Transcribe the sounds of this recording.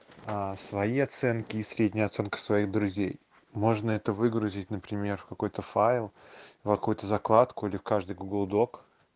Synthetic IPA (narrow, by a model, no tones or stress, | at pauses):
asvɐiɐt̪sɛnkʲɪːsɾʲedʲnʲɪjəɐt̪sɛnkə̥svɐiɣd̪ɾʊzʲḛj | mo̞ʐnəɛt̪əvɨɡɾʊzʲɪt̚ʲnəpɾʲɪmʲe̞rfkɐko̞jt̪əfaɪlˠfkɐkujʊt̪əzɐklˠat̪kʊilʲɪfkaʐd̪ɨjɡʊɡlˠd̪o̞k